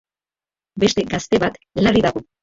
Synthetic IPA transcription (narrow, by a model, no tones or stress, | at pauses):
be̞st̪e̞ɡast̪e̞βat̪lariðaɣo